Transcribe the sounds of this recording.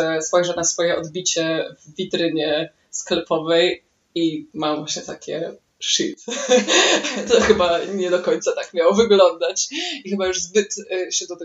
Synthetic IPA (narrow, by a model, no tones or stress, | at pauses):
ɛspɔjʐɛnasfɔjɛɔd̪bʲit͡ɕɛvːʲit̪ɾɘɲɛ | sklɛpɔvɛj | imamvwaɕɲɛt̪akʲʰɛ̰ | ʂḭt̪ | t̪ɔxɘbaɲɛd̪ɔkɔɲt̪sat̪akmʲjawɔvɘɡlɔnd̪at͡ɕixɘbajuʐzbɘt̪ɕɛd̪ɔt̪ɛ